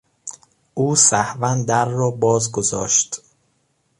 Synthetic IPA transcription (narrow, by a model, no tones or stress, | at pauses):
ʔuːsæhvænd̪æɾːɒːbɒːzɡozɒ̰ːʃt̪